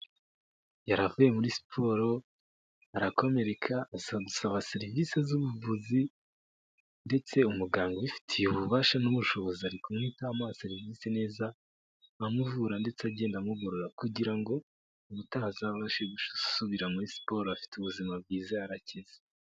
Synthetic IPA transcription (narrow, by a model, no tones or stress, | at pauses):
jaɾavuje̞muɾisi̥pʰo̞ːɾo̞ | aɾako̞me̞ɾe̞kʰasɡusaβase̞ɾivise̞zuβuvuzi | nde̞t͡se̞umuɡaːŋɡoβifi̥tʰijuβuβaːʃanuβuʃo̞βo̞ziaɾikomŋiːtaːmase̞ɾiviːsene̞ːzaː | muvuɾande̞t͡seaɟe̞ːndamuɡo̞ɾo̞ɾakuɟiɾaŋɡo̞ | uβutazaββaʃeɡuʃsuβiɾamuɾisi̥po̞ːɾoafi̥tuβuzimab̚ɡiːzaaɾaceze̥